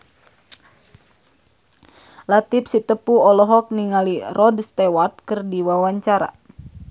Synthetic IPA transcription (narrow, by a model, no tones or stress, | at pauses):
lat̪ip̚sit̪əpuɔlɔɦɔk̚niŋalirɔdst̪ɛwat̪̚kɨrdiwawaɲt͡ʃaɾa̰